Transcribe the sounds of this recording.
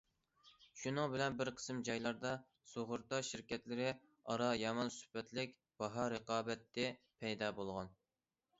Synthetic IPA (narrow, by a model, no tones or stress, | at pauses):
ʃunɨŋbɪlɛnbɪɾqʰə̥smd͡ʒɑjlˠɑɾd̪ɑ | soʁʊɾt̪ɑʃɪɾkʲɛt̪lɪɾɪ | ɑɾɑjɑmɑnsy̥pɛt̪lɪkʲ | b̥ɑɦɑɾəqɑːbɛt̪ʰːɪ | pʰɛjd̪ɑːbolˠʁɑn